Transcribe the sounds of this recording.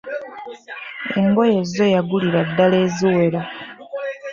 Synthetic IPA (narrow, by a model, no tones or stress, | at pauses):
e̞̰ŋɡo̞jezːo̞jaɡuliɾadːale̞ːziwe̞ɾa